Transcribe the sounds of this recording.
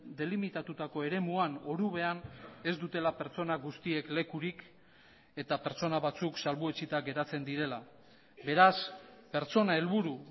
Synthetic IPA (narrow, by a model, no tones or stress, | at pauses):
d̪e̞limit̪at̪ut̪ako̞e̞ɾe̞muano̞ɾuβe̞ane̞zd̪ut̪e̞lape̞ɾt͡so̞naɡust̪ie̞kle̞kuɾik | e̞t̪ape̞ɾt͡so̞naβat͡suksalβue̞t͡sit̪aɡe̞ɾat͡se̞nd̪iɾe̞la | be̞ɾaspe̞ɾt͡so̞nae̞lβuɾu